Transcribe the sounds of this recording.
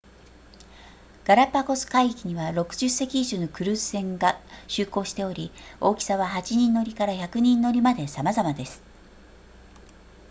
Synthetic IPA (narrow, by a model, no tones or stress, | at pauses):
ɡ̥aɾapːako̞sɨ̥kaikʲiɲ̟iβaɾo̞kɯ̟ʑɨse̞kʲiːʑɨːnokɯ̟ɾɯ̟ːssẽ̞ŋɡaɕɨːko̞ːɕi̥t̪e̞o̞ɾʲio̞ːkʲi̥saβaɦat͡ɕiɲ̟ĩnːo̞ɾʲikaɾaçakɯ̟ɲ̟ĩnːo̞ɾʲimad̪e̞samazamad̪e̞sɨ̥